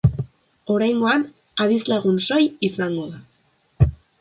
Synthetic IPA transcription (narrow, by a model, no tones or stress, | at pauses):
o̞ɾajŋɡo̞an | aðizlaɣ̞unso̞jisaŋɡo̞ða